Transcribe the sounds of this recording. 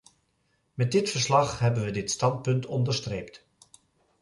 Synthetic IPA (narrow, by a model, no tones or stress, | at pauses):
mɛt̚dɪtfəɹslɑχɦɛbənʋədɪtstɑnt̚pɵntʰɔndəɹstrejpt